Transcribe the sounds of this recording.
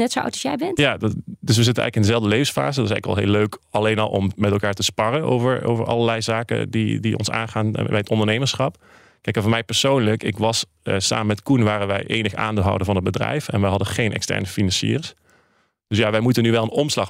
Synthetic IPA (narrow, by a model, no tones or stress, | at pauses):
nɛtsoa̰wtɔsjɛjbɛntjaddɵs̬ʋəzɪtənɛ̰ɣləkɪndəzɛlˠvdəlejvəsfa̰ːzədtɪsɛjɣləkʋɛ̰lˠɦḛːløɥkɑlejnɑlˠʔɔ̰mmɛtɛlˠkaːɹtəspɑrəno̰wvəɹo̰wvəɹʔɑ̰lˠəɹlɛjzaːkə̰didiʔɔ̰nsa̰ːnχaːnbɛjətɔndəɹnejməɹsχɑp | kɛjkmɛvɔːɹmɛjpɛɹsoːwnləkɪ̰kʋɑs | sa̰ːməmɛtkunʋaːɾənʋɛ̰jʔejnəxa̰ːndlˠɦɑ̰wdəvɑnɦəd̚bədrɛ̰jfɛnʋɛjɦɑdəχejnʔɛ̰kstɛ̰ɹnəfinɑnsḭːrs | d̥ɵsjaːʋɛjmutənyʋɛlˠənɔmslɑχ